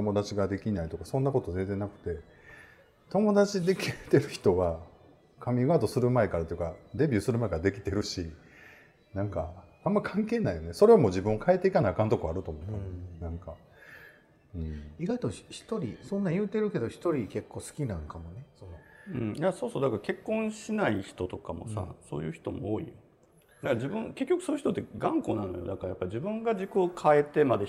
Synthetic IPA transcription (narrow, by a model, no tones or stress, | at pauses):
t̪o̞mo̞d̪at͡ɕiɡad̪e̞kʲinait̪o̞kasõ̞nːako̞t̪o̞zenzẽ̞nakɯ̟̥t̪e̞ | t̪o̞mo̞d̪at͡ɕid̪e̞kʲiet̪e̞ɾɯ̟çi̥t̪o̞βa | kʰamʲiɡaːt̪o̞sɨɾɯ̟mae̞kaɾat̪ojɯ̟kad̪e̞bʲɨ̟ːsɨɾɯmae̞kaɾad̪e̞kʲi̥t̪e̞ɾɯ̟ɕi | nãŋkaãmːaikʰãŋke̞ːnaijo̞ne̞so̞ɾe̞omo̞ʑibɯ̟̃ŋokʰaet̪ːe̞ikanaːkãnt̪okoaɾɯ̟t̪oːmot̪ːanãŋka | ɯ̟̃ɴiɡait̪o̞çi̥t̪o̞ɾʲḭsõ̞nːãjɯ̟ːt̪e̞ɾɯ̟ke̞d̪o̞çi̥t̪o̞ɾʲike̞kːo̞ːsɨ̥kʲinãŋkamo̞ne̞sonoɯ̟̃ɴjaso̞ːso̞ːd̪akaɾake̞kːõɕinaiçi̥t̪o̞t̪o̞kamo̞̰sa̰so̞̰ːjɯ̟̰ːçi̥t̪o̞mo̰oːḭ | d̪akaɾad͡ʑibɯ̟̃ŋke̞kʲːokɯ̟soːi̟çi̥tot̪ːeɡãŋko̞̰ːnãno̰jo̰d̪akaɾajapːaid͡ʑibɯ̟̃ŋɡad͡ʑikɯokʰaet̪emad̪e